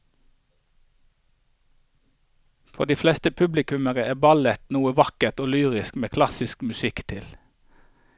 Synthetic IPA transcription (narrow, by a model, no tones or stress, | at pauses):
fɔd̪iːflɛst̪əpʰʉblɪkʉməʁəeːbɑlət̪nuːəʋɑkəʁt̪oːlyːʁɪskmeːkʰlɑsɪskmʉsɪkt̪ʰɪl